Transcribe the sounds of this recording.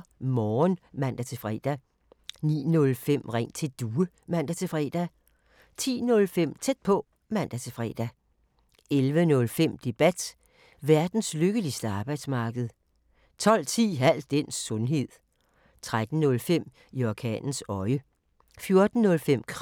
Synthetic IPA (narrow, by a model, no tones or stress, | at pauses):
mɒːnmæn̰d̥æt͡sʰe̝fʁɛ̰ːd̥æ | nḭːnɔ̽lfem̰ʁɛŋ̰t͡sʰe̝d̥uːə | mæn̰d̥æt͡sʰe̝fʁɛ̰ːd̥æ | t͡sʰḭːnɔ̽lfem̰t͡sʰed̥̚pʰɒ̽ | mæn̰d̥æt͡sʰe̝fʁɛ̰ːd̥æ | elʋənɔ̽lfem̰d̥e̝b̥æd̥ | ʋæɐd̥n̩sløɡ̥əlisd̥əɑ̈ːb̥ɑ̈ɪd̥smɑ̈ːɡ̥əð̩ˠ | t͡sʰɒ̽l̰t͡sʰḭːɦæl̰d̥en̰sːɔ̽nɦe̝ð̰ˠ | t͡sʰʁad̥n̩ːɔ̽lfem̰ | iɒkʰɛ̰ːnn̩sɒ̽ɪə | fjo̝ɐd̥n̩ːɔ̽lfem̰kʰ